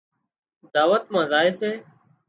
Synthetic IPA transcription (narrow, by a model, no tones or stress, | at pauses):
d̪aːʋət̪mãːzaːeːseː